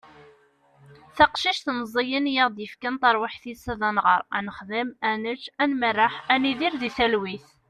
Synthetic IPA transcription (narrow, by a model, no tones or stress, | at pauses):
θɑqʃiʃθnəzˤijənjəʁd̪jəfkænt̪ˤɑɾˤwaħθisæðænʁəɾˤænəχðəmænət͡ʃːænmərːaħæniðiɾðiθælwiθ